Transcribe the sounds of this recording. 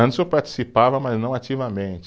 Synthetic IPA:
ɐ̃nɪsepaɾt͡ʃi̥sipavɐmɐznɐ̃w̃at͡ʃivɐmẽt͡ʃɪ

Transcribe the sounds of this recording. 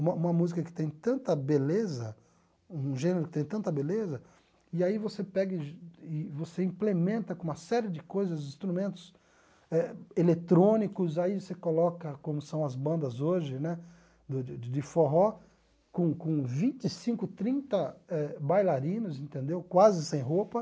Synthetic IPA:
ũmɐũmɐmuzikɐkɪ̥t̪ẽj̃t̪ɐ̃nt̪ɐbelezɐ | ũʒẽneɾʊkɪt̪ẽj̃t̪ɐ̃nt̪ɐbelezɐ | ɪaivosepɛɡɪɪvoseĩmplemẽnt̪ɐkõũmɐsɛɾɪd͡ʒɪkojzɐzĩst̪ɾumẽnt̪ʊ̥s | ɛelet̪ɾõnikʊzaivosekolɔkɐkõmʊsɐ̃w̃ɐzbɐ̃nd̪ɐzoʒɪnɛ | d̪ʊɪd͡ʒ̪ɪfoɦɔ | kõkõvĩt͡ʃɪsĩkʊt̪ɾĩnt̪ɐɛbajlaɾĩnʊzĩnt̪ẽnd̪ewkwazɪsẽj̃ɦopɐ

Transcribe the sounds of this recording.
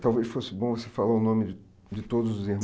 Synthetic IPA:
t̪awvesfosɪbõw̃vosefalaʊnõmɪd͡ʒɪ | d͡ʒɪt̪od̪ʊzʊzɪhm

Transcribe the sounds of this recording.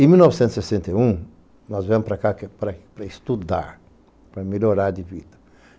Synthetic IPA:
ẽmiwnɔvɪsẽnt̪zsesẽnt̪eũ | nɔzvẽmʊpɾɐakakpɾɐpɾɐɪst̪ud̪a̰ɾ | pɾɐmeloɾaɾd̪ɪvid̪ɐ̥

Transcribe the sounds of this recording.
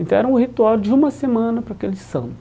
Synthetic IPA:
ẽnt̪ɐ̃ɛɾɐ̃ʊhit̪uawd͡ʒɪũmɐsemɐ̃nɐpɾakelɪsɐ̰̃n

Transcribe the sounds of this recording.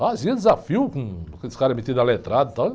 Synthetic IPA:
aziɐd̪ɪzafiwkũkesɪ̥kaɾɐmet̪id̪alet̪ɾad̪ɐt̪ɐ̃w̃

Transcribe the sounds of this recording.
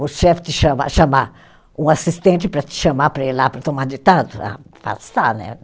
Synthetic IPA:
ʊʃɛfɪ̥t̪ɪʃɐ̃ma̰ʃama | ũasist̪ẽnt͡ʃɪpɾɐt̪ɪ̥ʃɐ̃mapɾɐelapɾɐt̪omad̪it̪ad̪ʊa̰ | fa̰st̪anɛ̰

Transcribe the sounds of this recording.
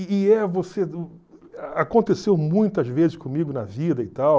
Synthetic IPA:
ɪɛvose | akõnt̪esewmũj̃t̪ɐzvezɪʃkõmiɡʊnɐvid̪ɐɪt̪aw

